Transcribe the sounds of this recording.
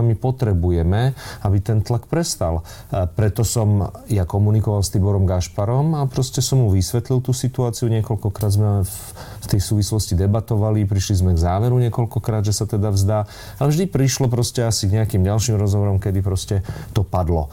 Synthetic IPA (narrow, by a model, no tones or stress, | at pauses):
mipɔt̪ɾɛbujɛmɛabit̪ɛnt̪lakpɾɛst̪al | pɾɛt̪ɔsɔmjakɔmunikɔʋalst̪ibɔɾɔmɡaʃpaɾɔmapɾɔscɛsɔmɦuʋisʋɛt̪lilt̪uːsit̪uaːt͡siuɲɪɛkɔlkɔkɾaːd̪zmɛ | ft̪ɛjsuːʋislɔscid̪ɛbat̪ɔʋalipɾiʃlizmɛɡzaːʋɛɾuɲɪɛkɔlkɔkɾaːd̪ʒɛsat̪ɛd̪avzd̪aː | alɛvʒd̪ipɾiʃlɔp̬ɾɔscɛasiɡɲɛakimɟalʃimɾɔzɦɔʋɔɾɔmkɛd̪ipɾɔscɛt̪ɔpad̪lɔ̰